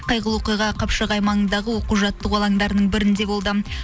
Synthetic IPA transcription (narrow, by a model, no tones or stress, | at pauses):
qʰɑjʁəlˠwoqijʁɑqʰɑpʃəʁɑjmɑənd̪ɑʁəwo̞quʒɑt̪ːəqwolˠɑŋd̪ɑɾənəɴbɪɾɪnd̪e̞bo̞lˠd̪ə